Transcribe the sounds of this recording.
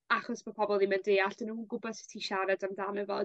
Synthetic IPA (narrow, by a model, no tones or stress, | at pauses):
aχɔsb̥ɔpʰɔbɔlˠimɛndeaɬd̥ənuːnɡʊbɔðsɪ̥tʰiʃaɾadamdamɛvɔ̰